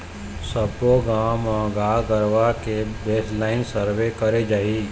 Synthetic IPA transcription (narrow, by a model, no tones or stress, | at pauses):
səpːoɡaːmãɡaːɡəɾʋakebeːslaːɪnsəɾʋekɐɾed͡ʒaːiː